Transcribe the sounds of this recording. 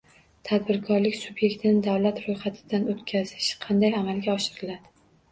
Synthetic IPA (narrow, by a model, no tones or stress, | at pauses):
t̪ʰad̪bɪɾkʰɒɾlɪkʲsʊbje̞kʲt̪ʰɪnɪd̪awlat̪ɾojχat̪ʰɪ̥d̪anot̪kʲʰazɪ̥ʃqʰɑnd̪ajamalɡʲaɒʃɪɾɪlad̪ɪ